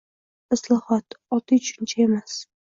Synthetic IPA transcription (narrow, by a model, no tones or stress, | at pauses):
ɪslˠɒhɒt̪ɒt̪ʰit͡ʃʰʊnt͡ʃʰae̞mas